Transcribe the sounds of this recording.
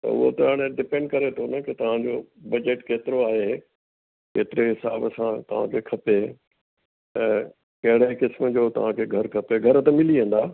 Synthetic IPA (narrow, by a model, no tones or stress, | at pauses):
t̪ɐ̰ʊ̰ɦo̰t̪ɐaːɽ̃eɖɪpẽːɳɖkɐɾet̪ʰonɐkɪt̪ɐʋ̤ãd͡ʑoːbɐd͡ʑeʈkeːt̪ɪɾoaːɦe | keːt̪ɪɾeɦɪsaːbsãt̪ɐʋ̤ã̰kʰekʰɐpe | ɛ̃ː | kɐɦɪɽekɪsməd͡ʑoːt̪ɐ̰ʋ̤ãkʰeɡʱɐɾkʰɐpeɡʱɐɾt̪ɐmɪliɦẽːn̆d̪aː